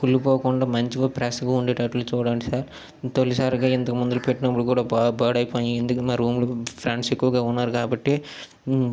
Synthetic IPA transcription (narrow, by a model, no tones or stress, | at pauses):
kulːupoːkuɳɖaːmɐɲt͡ʃiʋoːpɾasɡaːuɳɖeːʈɐʈːulut͡ʃuːɽaːɳʈisaːɾ | t̪olːisaːɾiɡaːint̪ɐkɐmund̪ulupeʈːinɐpːuɽikuːɽaːbaːɽɐjpoːend̪ukɐmaːɾuːmlupʰɾaɳɖsekːuʋɐɡaːunːaːɾukaːbɐʈːi